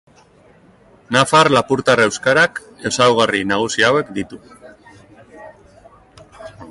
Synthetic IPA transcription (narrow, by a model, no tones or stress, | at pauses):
nafaɾlapuɾt̪arewskaɾak | e̞sawɣarinaɣ̞usiawe̞kd̪it̪u